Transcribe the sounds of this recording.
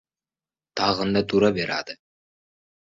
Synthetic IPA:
t̪ɑʁɤ̆nd̪ɑt̪uɾɑbeɾɑ̰d̪ə

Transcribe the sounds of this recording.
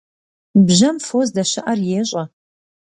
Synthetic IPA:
bʑɐmfozdɐʃɪʔɐrjeːɕʼɐ

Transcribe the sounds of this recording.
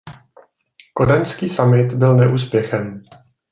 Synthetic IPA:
ko̞danskiːsamɪt̪bɪlnɛʔuːs̬pjɛxɛm

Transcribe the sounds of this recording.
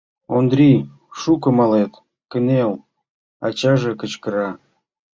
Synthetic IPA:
ond̪ɾʲi | ʃukə̆mɑlet̪ | kə̆nel | ɑ̰t͡ɕɑʒekə̆t͡ɕkəɾɑ

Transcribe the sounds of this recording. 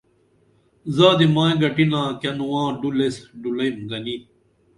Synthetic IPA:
zaːd̪imãːẽɡɐʈinãːkɐnuwãːɖulesɖulɐjmɡɐni

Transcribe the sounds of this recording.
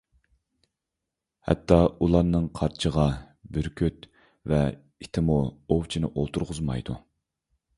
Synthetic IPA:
hɛ̰t̪ʰːɑulˠɑɾnɨŋqʰɑɾt͡ʃʰəʁɑ | byɾkʲʰøt̪ | vɛ | it̪ʰɪmuowt͡ʃʰinɪʔolˠt̪ʰuɾʁʊzmɑ̰jd̪u

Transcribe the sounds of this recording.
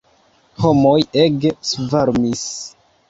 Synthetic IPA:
homojeɡsvaɾmis

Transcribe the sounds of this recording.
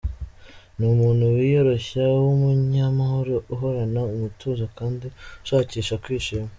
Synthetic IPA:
numuːnhuwijoɾo̞çawomuɲamahoɾoʔuɦoɾanaumutʰuzakaːndiʃaciːʃakwiːʃim

